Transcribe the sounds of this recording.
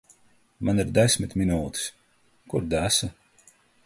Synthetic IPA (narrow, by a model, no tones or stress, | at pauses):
maniɾd̪ɛsʲmʲit̪ʲminuːt̪i̥s | kuɾd̪æsa